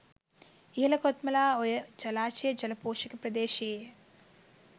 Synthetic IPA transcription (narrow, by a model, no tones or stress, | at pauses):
iːlɐkot̪mɐlaːojɐd͡ʒɐlaːt͡ʃeːd͡ʒɐlɐpoːʃɐkɐpɾɐd̪eːʃeː